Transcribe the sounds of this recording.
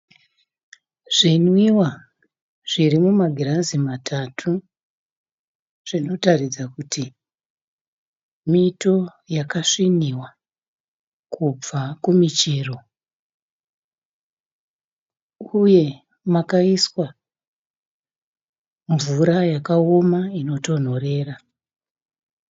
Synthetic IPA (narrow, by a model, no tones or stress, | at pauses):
ʐ̥inwiwa | ʐ̥iɾimumaɡʱiɾazimatʰatʰu | ʐ̥ino̞tarid͡zakuti | mito̞jakaʂiniwa | kub͡vakumit͡ʃiːro̞ | uje̞ | makaiswa | ɱvuɾajakaomaino̞to̞n̤o̞re̞ːra